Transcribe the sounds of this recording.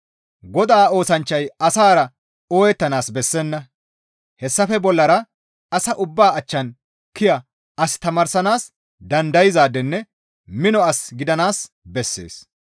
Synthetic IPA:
ɡɔd̪aːo̞ːsɐnt͡ʃːɐjɐsaːɾɐ | oːjɛt̪ːɐnaːsbɛsːɛnːɐ | hɛsːɐfɛbɔlːɐɾɐ | ɐsɐʔʊbːaːɐt͡ʃːɐn | kɪjɐ | ʔɐst̪ɐmaːɾsɐnaːs | d̪ɐnd̪ɐjɪzaːd̪ɛnːɛ | mɪnɔɐsɡɪd̪ɐnaːs | bɛsːḛːs

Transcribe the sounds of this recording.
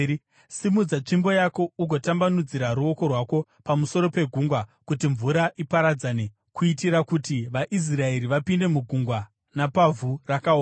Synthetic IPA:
simud͡zat͡ʂimbo̞jako̞uɡʱo̞tambanud͡ziɾaɾuo̞ko̞rwako̞ | pamuso̞ɾo̞pe̞ɡʱuŋɡwakutiɱvuɾaʔipaɾad͡zaːne | kʰuitiɾakutiʋaʔis̬rae̞ɾiʋapinde̞muɡʱuŋɡwa | napavʱurakaoːa

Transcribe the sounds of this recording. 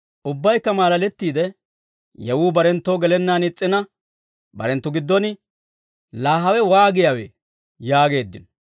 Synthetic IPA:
ʔʊbːɐjkːɐmaːlɐlɛt̪ːiːd̪ɛ | jɛwuːbɐɾɛnt̪ːoːɡɛlɛnːaːnɪt͡sʼːɪnɐ | bɐ̰ɾɛnt̪ːʊɡɪd̪ːɔnɪ | laːɦɐwɛwaːɡɪjawḛ | jaːɡe̞ːd̪ːɪn

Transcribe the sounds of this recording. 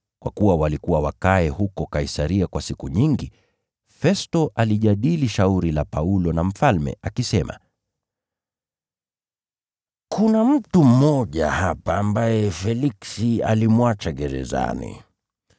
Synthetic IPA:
kwʔa̰kuwawalikuwawakaɛhukɔkaisaɾiakwasikuɲiŋɡi | fɛstɔʔaliʄaɗiliʃauɾilapaulɔnam̩falmɛ̰akisɛma̰ | kʰunam̩tum̩mɔʄa̰hapaːmbajɛfɛliksia̰limwat͡ʃaɡɛɾɛ̰za̰nḭ

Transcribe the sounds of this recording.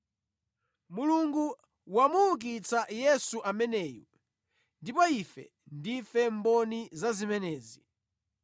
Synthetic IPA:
muluŋɡu | wamuːk̬it͡sajɛsuʔamɛnɛːjɔ | ndipɔifɛ̰ | ndifɛmbɔnizazimɛnɛːzi

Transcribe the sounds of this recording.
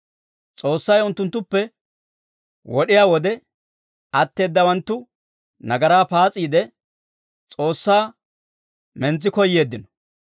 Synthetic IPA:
t͡sʼo̞ːsːɐjʊnt̪ːʊnt̪ːʊpːɛ | wɔɗɪjaːwɔd̪ɛ | ɐt̪ːe̞ːd̪ːɐwɐnt̪ːʊ | nɐɡɐɾaːpaːt͡sʼːiːd̪ɛ | t͡sʼo̞ːsːaː | mɛnt͡sːɪkɔjːe̞ːd̪ːɪnɔ̥

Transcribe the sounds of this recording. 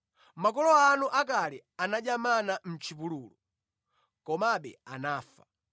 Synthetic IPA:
mak̬ɔlɔanuʔakalɛanaʄamanam̩t͡ʃʰip̬uluːlɔ̰ | kɔmaɓɛ̰anaːfa

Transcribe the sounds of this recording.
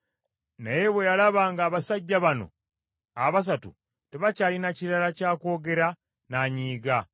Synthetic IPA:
naje̞βwe̞jalaβaŋɡaːβasaɟːaβano̞̰ | aβas̬atṵ | teβacaːlinaciɾalacaːko̞ːɡe̞ɾa | naːɲiːɡa

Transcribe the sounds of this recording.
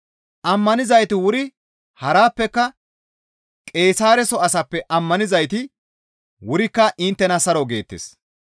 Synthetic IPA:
ʔɐmːɐnɪzɐjt̪ɪwʊɾɪ | hɐɾaːpːɛkːɐ | kʼe̞ːsaːɾɛsɔɐsɐpːɛʔɐmːɐnɪzɐjt̪ɪ | wʊɾɪkːɐʔɪnt̪ːɛnɐsɐɾɔɡe̞ːt̪ːḛs

